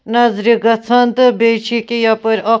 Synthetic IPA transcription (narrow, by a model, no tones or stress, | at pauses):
nɐzɾiɡɐt͡sʰɐnt̪ɨbet͡ʃʰikijɐpəɾʲo